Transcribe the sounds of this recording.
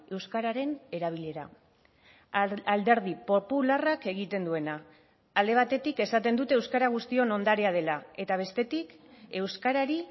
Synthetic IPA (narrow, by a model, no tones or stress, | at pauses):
e̞wskaɾaɾe̞ne̞ɾaβ̞ile̞ɾa̰ | ald̪e̞ɾð̞ipo̞pularake̞ɣit̪e̞nd̪ue̞naː | ld̪e̞β̞at̪e̞t̪ike̞sat̪e̞nd̪ut̪e̞wskaɾaɣ̞ust̪io̞no̞nd̪aɾeað̞e̞lae̞t̪aβ̞e̞st̪e̞t̪ike̞wskaɾaɾi